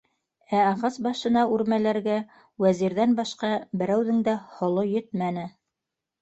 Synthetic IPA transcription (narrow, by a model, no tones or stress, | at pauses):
æɑʁɑsbɑʃɤ̆nɑʉɾmælæɾɡæ | wæziɾðænbɑʃqɑbɘ̆ɾæwðɘŋd̪æhŏlˠojɵt̪mænɘ